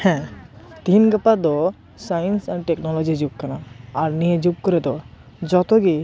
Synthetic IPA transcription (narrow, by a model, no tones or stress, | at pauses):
hɛ̃t̪inɡəpad̪ɔ | sajənsanʈeknɔlɔd͡ʑid͡ʒukkanaaɾnijed͡ʒuk̚kɔɾed̪ɔ | d͡ʒɔt̪ɔɡi